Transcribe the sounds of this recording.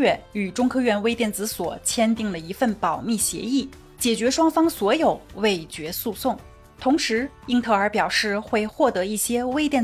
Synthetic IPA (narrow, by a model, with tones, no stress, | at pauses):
ɥɛ˥˩ny˨˩ʈ͡ʂʊ˥ŋkʰɤ˥˧ɥɛ˥˧nwe˥ɪt̪jɛ˥˩nt͡sɹ̩˧˥swɔ̰˨˩t͡ɕʰjɛ˥nt̪i˥˩ŋd̪ə˩i˧˥fə˥˩npɑ˨˩ʊmi˥˩ɕjɛ̰˧˥i˥˩ | t͡ɕjɛ˨˩t͡ɕɥɛ˧˥ʂwɑ˥ŋfɑ˥ŋswɔ˧˥jo˨˩˦ʊwe˥˩ɪt͡ɕɥɛ˧˥su˥˧sʊ˥˩ŋ | t̪ʰʊ˧˥ŋʂɻ̩˧˥ | i˥ŋt̪ʰɤ˧˥ə˞˧˥pjɑ˨˩ʊʂɻ̩˥˧xwe˥˧ɪxwɔ˥˩t̪ɤ˧˥i˥˩ɕjɛ˥we˥ɪt̪jɛ˥˩n